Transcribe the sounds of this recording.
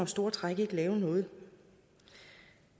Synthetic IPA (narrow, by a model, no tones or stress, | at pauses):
ɒ̽msd̥o̝ɐt͡sʰʁaɡ̥əeɡ̥lɛːʊnɔ̽ːð̩ˠ